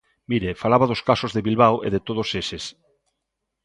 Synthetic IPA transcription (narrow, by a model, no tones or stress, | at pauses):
miɾefalaβaðoskasozðeβilβawʔḛðet̪oð̞oseses